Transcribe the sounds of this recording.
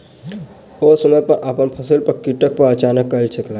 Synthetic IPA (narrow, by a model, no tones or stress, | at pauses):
osəməpəɾʔaːpənpʰəsilpəɾkiʈək̚pəɾət͡ʃaːnəkːəlt͡ʃʰeklaː